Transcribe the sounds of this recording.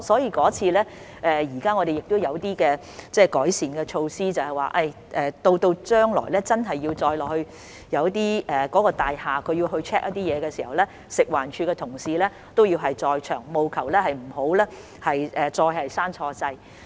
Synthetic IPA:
sɔː˨˥jiː˧kɔː˨˥t͡sʰiː˧lɛː˥ | ʔɛː˨jiː˨˩kaː˥ŋɔ˨˧ɾe˨jɪ˨k̚t̪o˥wjɐ˨˧wt̪iː˥kɛː˧ | t͡sɛː˥˩kɔː˨˥jsiː˨˩nkɛː˧t͡ʃʰo˧wsiː˥t͡sɐ˨whɐ˨˩jwaː˨˩ʔɐ˧j | ʔɛː˨˩t̪o˧wt̪o˧wt͡ʃœː˥ŋlɔ̰ː˨˩jlɛː˥t͡sɐ˥nɦɐ˨jːiː˧wt͡sɔː˧jlɔː˨k̚hɵ˧ɥ | jɐ˨˧wt̪iː˥ʔɛː˨kɔː˨˥kɔː˧t̪aː˨jhaː˨kʰɵ˨˧ɥji˧wɦɵ˧ɥt͡ʃʰɛː˥k̚ʔɐ˥t̪i˥jɛː˨˧kɛː˧siː˨˩hɐ̰˨wlɛː˥ | sɪ˨k̚waː˨˩nt͡ʃʰyː˧kɛː˧t̪ʰʊ˨˩ŋsiː˨lɛː˥ | t̪o˥wjiː˧wɦɐ˨jt͡sɔː˧jt͡ʃʰœː˨˩ŋmo˨wkʰɐ˨˩wlɛː˥ɦɐ˨jm̩˨˩ho˨˥wlɛː˥ | hɐ˨jʔɛː˨t͡sɔː˧jhɐ˨jsaː˥nt͡ʃʰɔː˧t͡sɐ˧j

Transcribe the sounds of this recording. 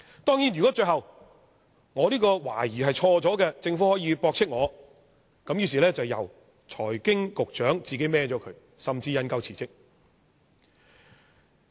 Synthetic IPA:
t̪ɔː˥ŋjiː˨˥njyː˨kɔː˨˥t͡ʃɵ˧ɦɐ˨w | ŋɔː˨˧liː˥kɔː˧wa̰ː˨˩jiː˨ɦɐ˨jt͡ʃʰɔː˧t͡sɔː˨˥kɛ˧t͡sɪ˧ŋfuː˨˥hɔː˨˥jiː˨˧pɔː˧k̚t͡sʰɪ˥k̚ŋɔː˨˧ | kɐ˨˥mjyː˧s̬iː˨lɛː˥t͡sɐ˨wjɐ̰˨˩w | t͡ʃʰɔː˨˩jkɪ˥ŋkʊ˨k̚t͡ʃœː˨˥ŋt͡siː˨ke˨˥jmɛː˧t͡ʃɔː˨˥kʰɵ˨˧˥ | sɐ˨mt͡siː˧jɐ˧nkɐ˧wt͡sʰiː˨˩t͡sɪ˥k̚

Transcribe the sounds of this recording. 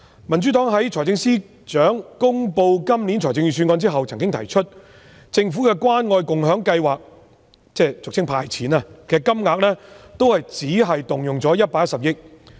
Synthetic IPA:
mɐ˨˩nt͡ʃy˨˥t̪ɔː˨˥ŋɦɐ˨˥jt͡ʃʰɔː˨˩jt͡sɪ˧ŋsiː˥ | t͡ʃœː˨˥ŋkʊ˥ŋpo˧wkɐ˥mli˨˥nt͡ʃʰɔː˨˩jt͡sɪ˧ŋjyː˨s̬yː˧nŋkɔː˧nt͡siː˥ɦɐ˨wt͡sʰɐ˨˩ŋkɪ˥ŋt̪ʰɐ˨˩jt͡ʃʰɵ˥t̚ | t͡sɪ˧ŋfuː˨˥kɛː˧kwaː˥nŋɔː˧jkʊ˨ŋɦœː˨˥ŋkɐ˧jwaː˨k̚ | t͡sɛː˥˩t͡sʊ˨k̚t͡sʰɪ˥ŋpʰaː˧jt͡sʰiː˨˥naː˧kɛː˧kɐ˥mŋaː˨˧k̚lɛː˥t̪o˥whɐ˨jt͡siː˨˥ɦɐ˨jt̪ʊ˨˩ŋjʊ˨ŋt͡sɔː˨˥jɐ˥t̚paː˧˥jɐ˥tsɐ˨˩p̚jɪ˥k̚

